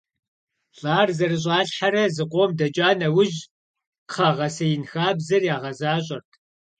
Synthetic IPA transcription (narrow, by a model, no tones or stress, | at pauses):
ɬʼaːrzɐrɨɕ̬ʼɑːɬħaɾɐzɨqʷʼoːmdɐt͡ʃʼaːnɐwʊʒ | qʰɐʁɐsɐjɪnxaːbzɐrjaːʁɐzaːɕʼɐrtʰ